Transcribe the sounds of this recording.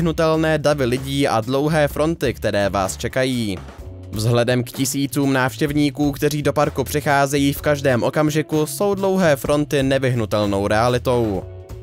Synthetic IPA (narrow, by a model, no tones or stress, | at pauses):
ɦnut̪ɛlnɛːdavɪlɪɟiːʔa̰dlo̞wɦɛːfɾʔo̞nt̪ɪkt̪ɛɾɛːva̰ːst͡ʃɛkajiː | vzɦlɛdɛmkcɪsiːt͡suːmnaːfʃcɛvɲiːkuːkt̪ɛr̝iːdo̞paɾkupr̥ɪxaːzɛjiːfkaʒdɛːmʔo̞kamʒɪkuso̞wdlo̞wɦɛːfɾo̞nt̪ɪnɛvɪɦnut̪ɛlno̞wɾɛalɪt̪o̞w